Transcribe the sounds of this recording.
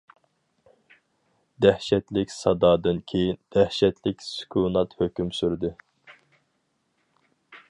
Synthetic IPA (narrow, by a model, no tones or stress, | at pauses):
d̪æhʃɛt̪lɪkʲsɑd̪ɑːd̪ɨnkʲʰejind̪̥æhʃɛt̪lɪkʲsy̥kʲʰunɑt̪høkʲymsyɾd̪ɨ